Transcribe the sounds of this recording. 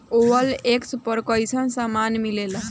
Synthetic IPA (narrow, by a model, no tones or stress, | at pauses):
oʋəlekspəɾkəjsənsamanmilela